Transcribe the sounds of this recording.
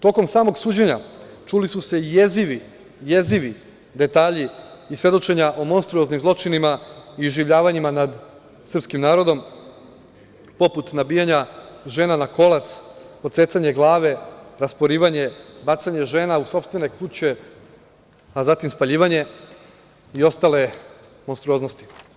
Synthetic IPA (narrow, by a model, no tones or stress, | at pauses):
t̪o̞ko̞msaːmo̞ɡsuːd͡ʑeɲa | t͡ʂulisuse̞je̞ziʋi | jeziʋi | d̪e̞t̪aːʎiːsʋje̞d̪o̞t͡ʃe̞ɲaʔomo̞nst̪ɾuoznimzlˠo̞t͡ʃinimaiuʒiʋʎaːʋaɲimanad̪ | sr̩pskimnaːɾo̞d̪o̞m | po̞put̪nabiːjaɲaʒe̞ːnanako̞lˠat̪sot̪seːt̪saɲe̞ɡlˠaːʋe̞ɾaspo̞ɾiːʋaɲe̞bat̪saɲe̞ʒe̞ːnauso̞pst̪ʋe̞ne̞kuːt͡ɕe̞ | azat̪imspaʎiːʋaɲe̞ | io̞st̪ale̞ | mo̞nst̪ɾuo̞ːzno̞st̪i̥